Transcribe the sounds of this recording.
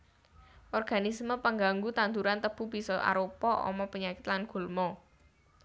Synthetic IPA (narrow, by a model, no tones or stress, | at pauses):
ʔɔrɡ̥anisməpəŋɡaŋɡut̪and̪uɾant̪əb̥ṳb̥i̤sɔʔa̰ɾopɔʔɔ̰mɔpəɲakɪ̥t̪lanɡ̥ṳlmɔ